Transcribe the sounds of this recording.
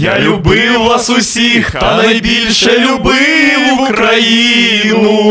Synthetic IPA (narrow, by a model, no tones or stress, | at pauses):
jalʲʊbɪwnasʊsʲixt̪ɐnɐjbʲilʲʃɛlʲʊbɪwukkɾajinʊ